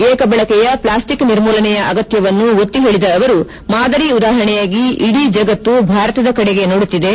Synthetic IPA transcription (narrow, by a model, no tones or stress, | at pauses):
eːkɐbɛɭɐkɛjɐplaːsʈikniɾmɔːlɐnɛjɐʔɐɡɐt̪jɐʋɐnːuot̪ːiɦe̞ːɭid̪ɐːʋɐɾu | maːd̪ɐɾiud̪aːɦɾɐɳɛjaːɡiʔiɽid͡ʒɐɡɐt̪ːubʱaːɾɐt̪ɐd̪ɐkɐɽeɡe̞no̞ːɽut̪ːid̪e̞